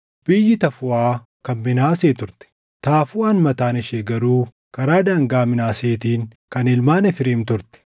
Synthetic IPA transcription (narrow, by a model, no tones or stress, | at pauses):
b̥ɪjːɪt̪ɐfʊaː | kɐnmɪnaːseːt̪ʊɾt̪ɛ̥ | t̪aːfuɐnmɐt̪aːnɪʃeɡɐɾuː | kɐɾaːd̪aːŋɡaːmɪnaːseːt̪iːŋ | kɐnɪlmaːnɛfɪɾɪːmt̪ʊɾt̪ɛ̥